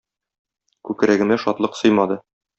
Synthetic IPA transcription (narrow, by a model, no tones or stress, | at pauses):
kʉk̆ɾæɡɘ̆næʃɒt̪lˠɤqsɤjmɑd̪ɤ